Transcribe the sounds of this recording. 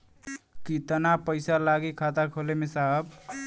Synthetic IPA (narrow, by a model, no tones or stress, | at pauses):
kit̪ənapəɪsalaɡikʰat̪akʰolemesaɦb